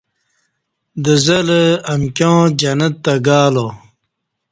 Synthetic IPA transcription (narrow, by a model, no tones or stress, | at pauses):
d̪əzɐləɐmkʲjõːd͡ʑanət̪ːaɡaːlo